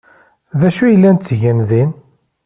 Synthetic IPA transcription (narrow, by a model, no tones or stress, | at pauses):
ðæʃujəlːænt̪t͡sːʝænðin